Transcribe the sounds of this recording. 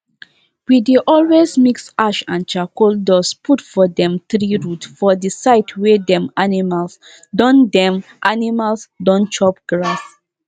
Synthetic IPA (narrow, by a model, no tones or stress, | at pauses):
wideʔɔlwezmiksaʃãnt͡ʃakoldɔspʰutfɔdɛ̃mθɹiɹutfɔdisaɪtʰwedɛ̃manimals | dɔ̃ndɛ̃mʔanimalsdɔ̃nt͡ʃɔpɡ̥ɹas